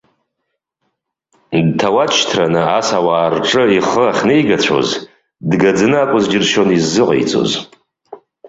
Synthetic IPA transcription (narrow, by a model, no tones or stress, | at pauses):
dtʰawat͡ʃʰtʰranɨasawaːrʈ͡ʂʼɨiχəaχʲnejɡat͡ɕʷʰo̰z | dɡad͡zɨnɨakʷʼʊzd͡ʒɪrʃonizːɨqʼḛjt͡sʼo̞̰z